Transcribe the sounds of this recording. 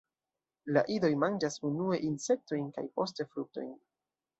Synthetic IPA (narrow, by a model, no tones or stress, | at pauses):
laʔido̞jmand͡ʒasunue̞ʔinse̞k̚to̞jnka̰jpo̞ste̞fɾuk̚to̞̰jn